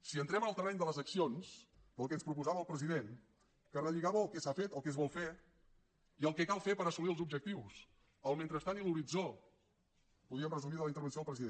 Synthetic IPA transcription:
siənt̪ɾɛmənəlˠt̪ərɛɲd̪ələzəksions | pəlˠkɛənspɾupuzaβəlˠpɾəziðen | kərəʎiɣaβəːlˠkɛsafet̪əlˠkɛzβɔlˠfe | iəlˠkɛkalˠfepəɾəsuliəlˠzubʒək̚t̪iws | əlˠmẽnt̪ɾəst̪aniluɾid͡zo | puðɾiəmrəzumiðələint̪əɾβ̞ənsjoəpɾəziðe

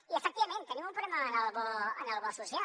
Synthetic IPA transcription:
iəfək̚t̪iβɐmẽnt̪ənimũmpɾulɛməːnalβɔə̰nalβɔsusja

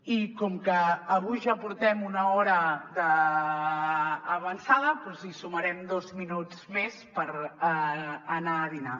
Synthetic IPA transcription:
ikɔmkəːβujʒapuɾt̪ɛmunəɔɾəðə | βənsaðəpɔzisuməɾɛmd̪ɔzminud͡zmespəɾ | ənaːðina̰

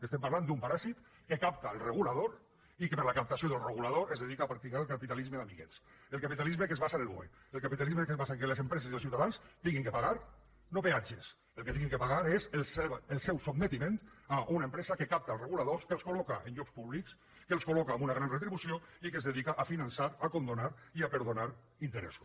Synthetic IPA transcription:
est̪empaɾland̪umpaɾasit̪ | kekap̚t̪aəlˠreɣulaðoɾ | ikepəɾlakap̚t̪asijoðəlˠreɣulað̞oezðeðikaːpɾak̚t̪ikaɾəlˠkapit̪alizmeðamiɣɛ̰t͡s | əlˠkapit̪alizmekezβasanelβw̰ḛ | əlkapit̪alizmekezβasaŋkelezempɾɛzezðelˠsiuwt̪aðanst̪iŋɡiŋkəpaɣaɾ | noβead͡ʒes | elˠket̪iŋɡiŋkəpaɣaɾezelseβelˠsɛwsob̚met̪imẽnt̪aʔunaempɾɛzakekap̚t̪aːlˠreɣulaðoskeəlˠskolɔkaʔenʎɔkspuβliks | keəlˠskolɔkaːmunaɣɾanret̪ɾiβusioikezðeðikaʔafinansaɾakond̪onaɾiapəɾðonaɾ | int̪əɾɛ̰z

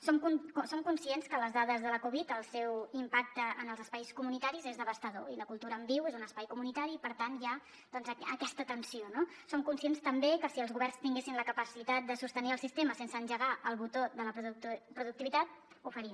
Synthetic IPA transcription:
somkusomkunsienskələzðaðəzðələkuβ̞it̪əlˠsɛwimpak̚t̪əənəlˠzəspajskumunit̪aɾizezðəβəst̪əðo̰iləkulˠt̪uɾəːmbiwezunəspajkumunit̪aɾiːpəɾt̪anʒa | d̪̥ɔnzəəkɛst̪ət̪ənsionosomkunsienst̪əmbekəsiəlˠzɣuβɛrnst̪iŋɡesinləkəpəsit̪at̪̚d̪əsust̪əniəlˠsist̪eməsensəːnʒəɣaʔəlˠβut̪oðələpɾpɾuðuk̚t̪iβit̪at̪̚ | ufəɾim

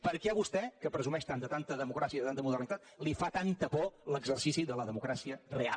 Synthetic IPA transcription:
pəɾkɛəβust̪ɛkəpɾəzumɛʃt̪and̪ət̪ant̪əðəmukɾasiəiðət̪ant̪əmuð̞ərnit̪at̪̚lifat̪ant̪əpɔləɡzərsisiðələðəmukɾasiərea̰

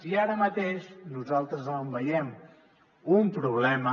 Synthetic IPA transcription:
siaɾəmət̪eʃnuzalˠt̪ɾəzəmbəjɛm | umpɾuβlɛmə

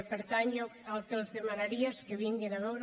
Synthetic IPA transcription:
peɾt̪aɲʊalkelzðemanaɾiaskeβiŋɡenaβɛwɾ

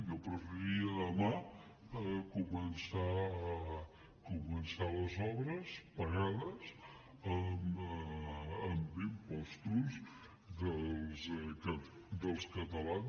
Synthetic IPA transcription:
kəpɾəfəiəðəma | kumənsa | kumənsaləzɔβɾəspəɣaðəz | əm | mbimpɔst̪uz | ðəlˠzkə | d̪əlˠskət̪əlan

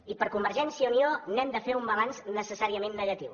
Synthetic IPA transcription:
ipəɾkumbəɾʒɛnsiəunionɛmd̪əfeumbəlanznəsəsaɾiəmenːəɣət̪iw

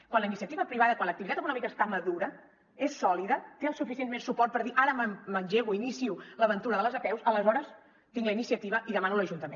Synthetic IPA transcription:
kwanləinisiət̪iβəpɾiβ̞aðəkwanlək̚t̪iβit̪at̪əkunɔmikəst̪aməðuɾə | esːɔliðət̪eəlˠsufisienmensupɔrt̪̚pəɾðiʔaɾəməmənʲʒeɣuinisiuləβənt̪uɾəðələzəpɛwsələzɔɾəs | t̪iŋɡləinisiət̪iβəʔiðəmanuləʒunt̪əmẽ

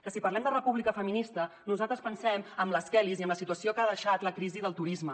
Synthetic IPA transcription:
kəsipɐrlɛmd̪ərəpuβlikəfəminist̪ənuzalˠt̪ɾəspənsɛməmləskɛliziəmləsit̪uəsiokaðəʃat̪ləkɾiziðəlˠt̪uɾizmə

